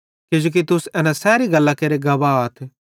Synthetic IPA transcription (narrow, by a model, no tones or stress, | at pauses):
kɪd͡ʒoːk̬it̪ʊsɛːnãsɛːɾiɡɐlːakeːɾeɡɐbaːt̪ʰ